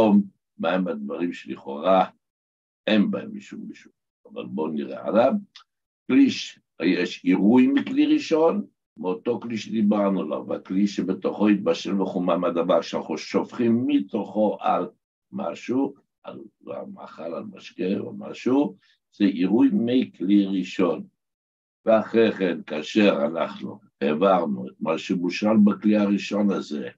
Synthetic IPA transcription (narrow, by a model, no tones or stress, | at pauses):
om | maemad̪vaʁimʃeliχo̞̰ʁa | enbaemiʃumiʃu̥ | ava̰lbo̞niʁḛa̰dam | kliʃ | jeʃiʁujmikliʁiʃo̞n | meot̪okliʃed̪ibaʁnula̰va̰kliʃebet̪oχo̞it̪̚baʃelbeχumamad̪avaʁʃeanaχnuʃo̞fχimːit̪o̞χo̞ʔal | ma̰ʃu | a̰l | a̰ma̰χalalmaʃkea̰lma̰ʃu | z̥eʔiʁujmikliʁiʃo̞n | veaχʁeχenkaːʃeʁanaχnṵ | evaʁnuet̪maʃemuʃalbakliaʁiʃo̞naze